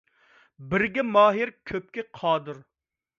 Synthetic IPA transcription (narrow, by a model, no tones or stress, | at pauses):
bɪɾɡʲɛmɑːɦɪɾkʲʰøp̚kʲɪqʰɑːd̪ɨɾ